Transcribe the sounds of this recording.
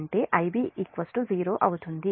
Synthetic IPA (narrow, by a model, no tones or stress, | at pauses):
ɳʈe̞ːʔɐjbiːikʋɐsʈuziːɾoːʔɐwut̪und̪i